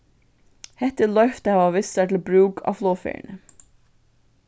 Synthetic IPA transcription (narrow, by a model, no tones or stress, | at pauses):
hɛht̪əlœʏft̪əhɑʋɑʋɪsæʈ̪ʰɪl̩bɾʉːkʰɑ̰floːfɛ̰ɳə